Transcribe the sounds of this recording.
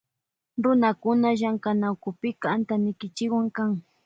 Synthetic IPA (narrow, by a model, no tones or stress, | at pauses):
ɾʊnakʊnaʒaŋkanawkʊpɪkaant̪anɪkɪt͡ʃɪkwaŋkaŋ